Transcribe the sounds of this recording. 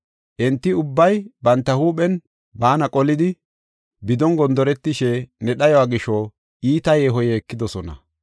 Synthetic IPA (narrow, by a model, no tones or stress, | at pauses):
ʔɛnt̪ːɪʊbːɐjbɐnt̪ːɐhuːɓɛn | baːnɐkʼɔlɪd̪ɪ | bɪd̪ɔnɡɔnd̪ɔɾɛt̪ːɪʃɛnɛɗɐjɔwaːɡɪʃɔ | iːt̪ɐjeːɦɔjɛːkːɪd̪ɔsɔnɐ̰